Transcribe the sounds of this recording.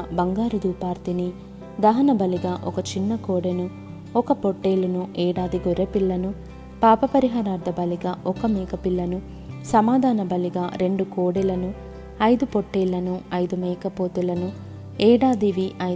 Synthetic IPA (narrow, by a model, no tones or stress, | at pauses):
bɐŋɡaːɾid̪uːpaːɾt̪ini | d̪ɐɦɐnɐbɐliɡaːʔɔkɐt͡ʃinːɐkoːɽenu | ɔkɐpoʈːeːlɐnuʔɛːɽaːd̪iɡoɾepilːɐnu | paːpɐpɐɾiɦaːɾaːɾd̪ʱɐbɐliɡaːʔɔkɐmɛːkɐpilːɐnu | sɐmaːd̪ʱaːnɐbɐliɡaːɾe̞ɳɖukoːɽɛlɐnu | ɐjd̪upoʈːeːlːɐnuɐjd̪umɛːkɐpoːt̪ulɐnu | ɛːɽaːd̪iʋiʔɐ